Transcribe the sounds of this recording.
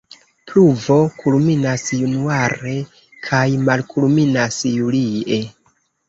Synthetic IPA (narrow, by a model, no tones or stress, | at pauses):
pluvo̞kʰulminasjunuaɾe̞ | kʰajmalkʰulminasjulie